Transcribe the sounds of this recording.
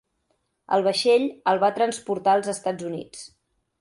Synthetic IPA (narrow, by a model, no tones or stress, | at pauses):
ə̰lˠβəʃeʎəlˠβat̪ɾənspuɾt̪aəlˠzəst̪ad͡zunḭt͡s